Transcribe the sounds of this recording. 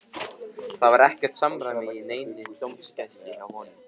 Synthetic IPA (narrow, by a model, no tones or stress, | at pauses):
θaðvaɾɛhcɛr̥t̪samɾamɪɪneːjnɪt̪owmscast̪lɪawhɔːnʏ